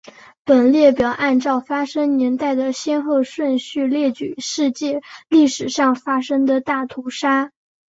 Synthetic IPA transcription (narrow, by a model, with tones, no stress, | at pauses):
pə˨˩nljɛ˥˩pjɑ˨˩ʊʔa˥˧nʈ͡ʂɑ˥˩ʊfa˥ʂɤ˥ŋnjɛ˧˥nt̪a˥˩ɪd̪ə˩ɕjɛ˥nxɤ˥˧ʂwə˥˧nɕy˥˧ljɛ˥˩t͡ɕy̰˨˩ʂɻ̩˥˧t͡ɕjɛ˥˧li˥˩ʂɻ̩˨˩ʂɑ˥˩ŋfa˥ʂɤ˥ŋd̪ə˨t̪a˥˩t̪ʰu˧˥ʂa˥